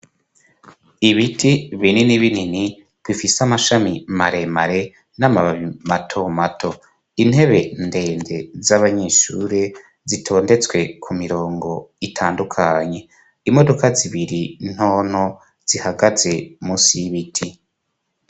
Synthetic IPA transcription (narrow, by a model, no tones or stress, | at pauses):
iβitʰiβininiβinini | b̥wifisamaʃamimaɾe̞maɾe̞ | namaβaβimatʰo̞matʰo̞ | in̥he̞βe̞nde̞ːnde̞zaβaɲeːʃuɾe | zitʰo̞ːnde̞t͡swe̞kʰumiɾo̞ːŋɡo̞itʰaːndukʰaɲe̞ | imo̞do̞kaziβiɾin̥ho̞ːn̥ho | z̥ihaɡaze̞musiβitʰi